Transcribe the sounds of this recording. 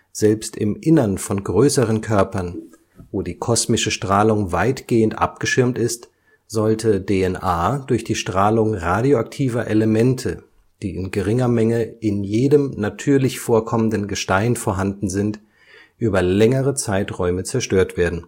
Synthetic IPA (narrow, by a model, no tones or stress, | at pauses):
z̥ɛlpstɪ̰mʔɪnɐnfɔnɡʁøːsəʁənkʰœɐpɐn | voːdiːkʰɔsmɪʃəʃtʁ̥aːlʊŋvaɪtɡ̥eːəntʔa̰p̚ɡ̥əʃɪɐmtɪst | z̥ɔltʰədeɛnʔaːdʊɐçd̥iːʃtʁ̥aːlʊŋʁaːdioak̚tʰiːvɐʔeləmɛntʰə | d̥iːɪnɡəʁɪŋɐmɛŋəʔɪnjeːdəmnatʰyːɐlɪçfoːɐkʰɔməndənɡəʃtaɪnfoɐɦandn̩zɪnt | ʔyːbɐlɛŋəʁət͡saɪtʁɔʏmət͡sɛɐʃtøːɐtv̥eːɐdn̩